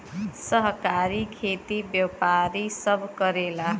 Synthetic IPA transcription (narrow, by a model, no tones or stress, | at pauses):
sʌɦkaɾikʰet̪ibjʌpaɾisʌbʱkʌɾela